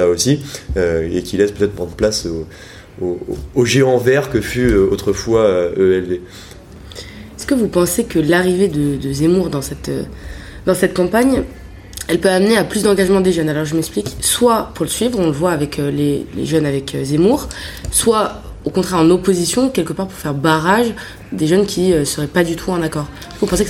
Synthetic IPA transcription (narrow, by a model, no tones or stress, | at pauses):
aosiøekʲilɛspøt̪ɛt̪χpʁɑ̃d̪ʁəplaso | oːʒeɑ̃vɛʁkəfyøot̪χəfwaøøɛlve | ɛskəvupɑ̃sekəlaʁived̪əd̪əzemuʁd̪ɑ̃sɛt̪ø̰d̪ɑ̃sɛt̪̚kɑ̃paɲ | ɛlpøamneaplysd̪ɑ̃ɡaʒmɑ̃d̪eʒœnalɔʁʒəmɛksplikswapuʁləsɥivʁɔ̃ləvwaːvɛkʰølelḛʒœnavɛkøzemuʁswa | okɔ̃t̪χɛʁɑ̃nopozisjɔ̃kʲɛlkəpaʁpuʁfɛʁbaʁaʒ | d̪eʒœnkʲiøsəʁɛpad̪yt̪ʰuɛ̃nakɔːʁ | kəvupɑ̃sek